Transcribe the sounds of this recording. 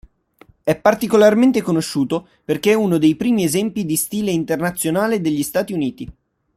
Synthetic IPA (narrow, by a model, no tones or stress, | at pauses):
ɛpːart̪ikolarment̪ekonoʃːuːt̪o | perk̟eɛunod̪ejpɾiːmiezɛmpid̪ist̪iːleint̪ernat̪sːjonaːled̪eʎːist̪aːt̪iuniːt̪i